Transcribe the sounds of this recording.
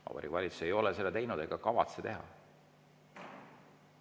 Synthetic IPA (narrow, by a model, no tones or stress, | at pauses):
ɑ̰peɾikvɑlʲit̪su̥se̞jo̞lese̞lːet̪e̞jnud̪e̞ɡ̥ɑkɑvɑt̪set̪e̞ɦɑ̰